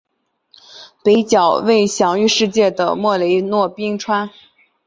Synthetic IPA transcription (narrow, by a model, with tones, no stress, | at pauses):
pe˧˥ɪt͡ɕjɑ˨˩ʊwe˥˩ɪɕjɑ˨˩ŋy˥˧ʂɻ̩˥˧t͡ɕjɛ˥˩d̪ə̰˩mwɔ˥˩le˧˥ɪnwɔ˥˧pi˥ŋʈ͡ʂʰwa˥n